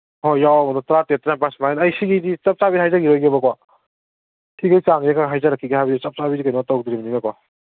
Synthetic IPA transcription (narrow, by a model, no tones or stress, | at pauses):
hojawmanɔtɾatetːnabasmajnɐjsiɡidit͡ʃap̚t͡ʃabiɦajzaɡiɾɔjɡebakwa | kʰiɡajt͡ʃaŋekaɦajzaɾakʰiɡajhabiit͡ʃap̚t͡ʃabidikajnɔtawɡdiɾimninakwa